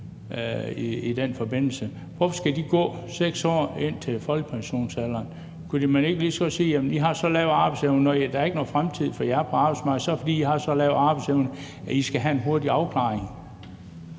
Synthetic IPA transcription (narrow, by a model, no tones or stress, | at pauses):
iid̥enfɒ̽b̥e̝n̰l̩sə | ʋɒfɒ̽sɡ̥æd̥iɡ̥ɔ̰̽ːseɡ̥sɒ̰ːe̝n̰t͡sʰe̝lfɒ̽lɡ̥əpʰænɕo̝̰ːnsælɐːn | kʰud̥imæne̝ɡ̥əlisɡ̥ɒ̽siːjæmnd̥iɦɑ̈sɒ̽lɛːʊɑ̈ːb̥ɑ̈ɪ̥seʊnənɒd̥ɑɐe̝ɡ̥əno̽ːfʁamt͡sʰið̞̰ˠfɒjɑæɐpʰɒ̽ɑ̈ːb̥ɑ̈ɪsmɑ̈ɡ̥̩ˠsɒ̽fɒdḭːdihɑ̈sɒ̽lɛʊɑ̈ːb̥ɑ̈ɪ̥seʊnə | æisɡ̥æɦæe̝nɦo̝ɐdiɑ̈ʊkʰlɑ̰̈ːeŋ